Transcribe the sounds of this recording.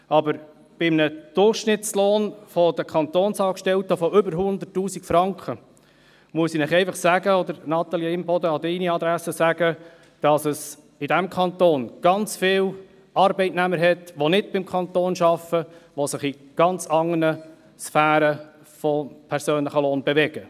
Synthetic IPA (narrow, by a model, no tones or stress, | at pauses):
ɑbəɾ | b̥ɪmnəd̥ʊrχʃnɪtt͡sloːnfɔd̥̪əkʰɑnt̪oːnsɑːkʃtɛltəfɔʔʏbəɾɦʊnd̪ətːuːsikfɾɑŋkʰχə | muəsinɪχɛɪfɑχsæɡəɔd̪əɾnɑt̪ɑljeɪmbɔd̪əɑdɛɪniɑd̪ɾæsəsæɡə | d̥ɑsəs | ɪdæmkʰχɑntoːnɡ̥ɑnt͡sfɪːl | ɑɾbɛɪtnæməɾɦɛtʋonɪdb̥ɪmkʰχɑnt̪oːnʃɑfəʋosɪχiɡ̥ɑnt͡sɑŋːənə | sfæːɾə | fɔpʰɛɾsøːnləχəloːnbeʋɛɡ̥ə